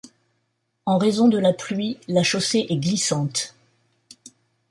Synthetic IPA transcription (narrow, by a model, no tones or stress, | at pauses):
ɑ̃ʁezɔ̃d̪əlaplɥilaʃoseʔɛɡlisɑ̃t̪